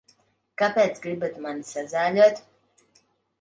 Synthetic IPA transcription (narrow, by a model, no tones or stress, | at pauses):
kapʲɛːt̪sɡɾibat̪mansazaːlʲuɔt̪ʲ